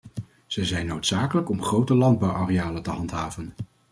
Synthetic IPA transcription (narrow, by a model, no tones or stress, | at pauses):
z̥ɛjzɛjnːowtsaːkələkɔmχrowtəlɑnd̚bɑwareaːlətəɦɑntɦaːvən